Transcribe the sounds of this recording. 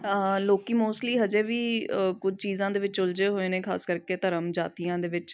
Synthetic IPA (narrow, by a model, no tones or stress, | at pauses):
əloːkiːmoːsʈliːɦəd͡ʒeːʋiːkʊd͡ʒʱt͡ʃiːzãːd̪eːʋɪt͡ʃʊld͡ʒeːɦoːeːneːkʰa̰ːskəɾkeːt̪əɾəmd͡ʒaːt̪iːãːd̪eːʋɪt͡ʃ